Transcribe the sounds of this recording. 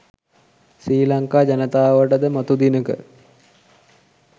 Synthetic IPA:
siːlaŋkaːd͡ʑanət̪aːʋəʈəd̪əmat̪ud̪inəkə̰

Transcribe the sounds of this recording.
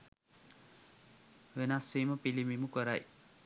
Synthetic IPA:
ʋenasːeːməpilimimukəɾaj

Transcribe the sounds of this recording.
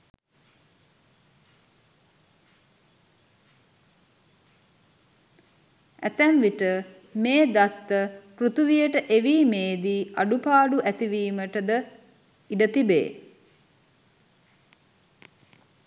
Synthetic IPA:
æ̰t̪ænʋiʈə | meːd̪at̪ːəprut̪uʋijəʈəʔeʋiːmeːd̪iːaɖupaːɖuʔæt̪iʋiːməʈəd̪ə | iɖət̪ibḛː

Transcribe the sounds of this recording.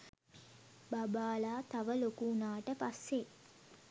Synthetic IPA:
babaːlaːt̪aʋəlokunaːʈəpasːe

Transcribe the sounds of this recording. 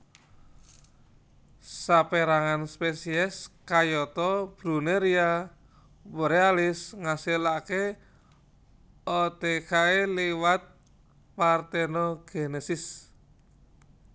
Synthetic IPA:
sapeɾaŋanspesiɛskajɔt̪ɔb̥ɾuneɾia | wɾealɪsŋasilake | ɔt̪ekaeliwat̪̚ | part̪ɛnɔɡ̥enesɪs

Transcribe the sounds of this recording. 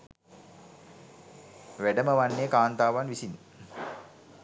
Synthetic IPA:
ʋæɖəməʋanːeːkaːnt̪aːʋanʋisin

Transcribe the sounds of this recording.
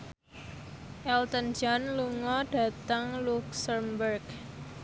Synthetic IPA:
ʔɛlt̪ənd͡ʒanluŋɔɖ̥a̤t̪əŋluksəmbərɡ

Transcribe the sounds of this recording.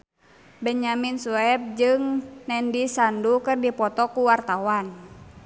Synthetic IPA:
bɛɲaminsuɛp̚d͡ʒɨŋnɛndisandukɨrdipɔt̪ɔkuwart̪awan

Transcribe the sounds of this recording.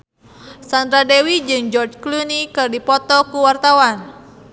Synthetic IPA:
sand̪ɾadewid͡ʒɨŋd͡ʒɔrd͡ʒklunikɨrdipɔt̪ɔkuwart̪awan

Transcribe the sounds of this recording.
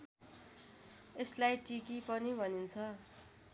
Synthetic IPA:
eslajʈikipʌnibʱʌnint͡sʰʌ

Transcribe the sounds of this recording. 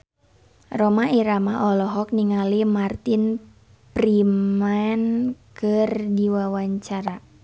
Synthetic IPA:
rɔmaiɾamaʔɔlɔɦɔk̚niŋalimart̪in | pɾimankɨrdiwawaɲt͡ʃaɾa

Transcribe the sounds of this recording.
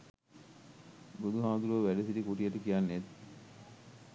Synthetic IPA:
bud̪uɦaːd̪uɾoʋæɖesiɾikuʈijɐʈukijanːet̪

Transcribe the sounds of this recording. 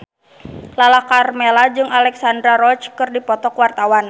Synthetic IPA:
lalahkarmelad͡ʒɨŋalɛksand̪ɾaɾɔt͡ʃkɨrdipɔt̪ɔkwart̪awan

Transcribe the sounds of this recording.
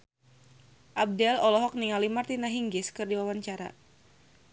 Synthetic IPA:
ʔab̚dɛlɔlɔɦɔk̚niŋalimart̪inaɦiŋɡɪskɨrdiwawaɲt͡ʃaɾa̰

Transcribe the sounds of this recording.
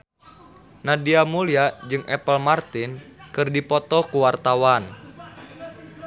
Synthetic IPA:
nadiamuliad͡ʒɨŋʔɛpəlmart̪inkɨrdipɔt̪ɔkuwart̪awan

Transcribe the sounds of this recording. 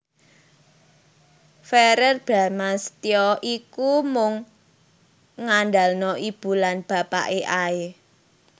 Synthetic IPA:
fɛɾərb̥ɾa̤mast̪iɔʔikumʊŋ | ŋanda̤lnɔʔib̥ṳlanb̥a̤pa̰ʔeʔae

